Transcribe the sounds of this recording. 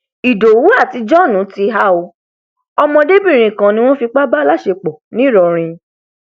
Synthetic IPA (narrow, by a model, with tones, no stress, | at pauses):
i˨do˨wu˨˦a˦˨ti˧˦d͡ʒɔ˦˨nũ˨˦ti˧ɦa˦o˧ | ɔ˧mɔ̃˧de˦bi˦˨ɾ̃ĩ˨kã˨nĩ˧˦w̃ɔ̃˦fi˧k͡pa˦ba˦la˦˨ʃe˧k͡pɔ˨nĩ˨˦˨ɾɔ˧ɾ̃ĩ˧